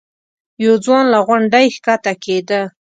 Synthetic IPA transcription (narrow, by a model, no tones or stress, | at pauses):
jowd͡zwɑnlaɣwaɳɖajxkat̪aked̪ə